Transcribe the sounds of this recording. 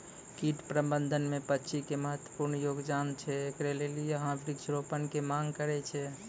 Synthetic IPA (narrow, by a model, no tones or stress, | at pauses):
kiʈpɾəbənd̪ʱənmepətːʃʰikeməɦət̪wəpuɾnjoɡd͡ʒant͡ʃʰɛːkɾelelijeɦãbɾiksɾopənkemaŋɡkəɾɛt͡ʃʰɛ